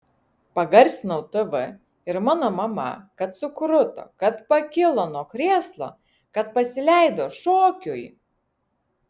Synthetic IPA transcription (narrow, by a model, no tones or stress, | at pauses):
pɐɡɐɾʲsʲɪnoʊt̪ɨʋɨ | ɪɾmɑːnoːmɐmɐ̰kɐt̪sʊkɾʊt̪o̰kɐt̪pɐkʲɪlˠonoːkɾʲeːslˠo̰ː | kɐt̪̚pɐsʲɪlʲæˑɪd̪oːʃoːkʲʊj